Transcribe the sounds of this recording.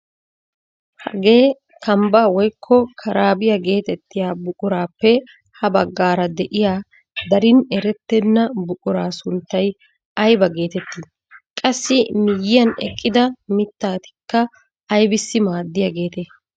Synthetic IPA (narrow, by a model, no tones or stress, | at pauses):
hɐ̰ɡe̞ː | kʰɐmbawɔjkʰːɔkʰɐɾaːbɪjɐɡe̞ːt̪ɛt̪ːɪjaːbʊkʼʊɾaːpːɛ | hɐbɐɡːaːɾɐd̪ɛʔɪjaː | d̪ɐɾɪnɛɾɛt̪ːɛnːɐbʊkʼʊɾaːsʊnt̪ːɐj | ɐjbɐɡe̞ːt̪ɛt̪ːi | kʼɐsːɪmɪjːɪjɐnɛ̰kʼːɪd̪ɐmɪt̪ːaːt̪ɪ̥kːɐː | jbɪsːɪmaːd̪ːɪjɐɡe̞ːt̪e